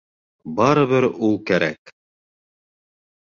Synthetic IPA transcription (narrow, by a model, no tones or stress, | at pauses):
bɑɾɤ̆βɘɾulˠkæɾæk